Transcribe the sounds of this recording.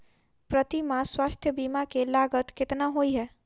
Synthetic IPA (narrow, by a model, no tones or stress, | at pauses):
pɾət̪imãswast̪ʰjəbimakelaɡət̪kɪt̪naɦojɦɛ